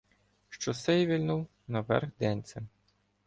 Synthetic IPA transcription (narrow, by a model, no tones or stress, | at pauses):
ʃt͡ʃɔsɛjʋʲilʲnuw | nɐʋɛ̰rxd̪ɛnʲt̪sʲɛm